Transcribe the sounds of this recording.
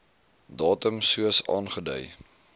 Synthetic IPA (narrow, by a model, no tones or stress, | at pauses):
dɑːtəmsuəsɑ̰ːnχədœ̰j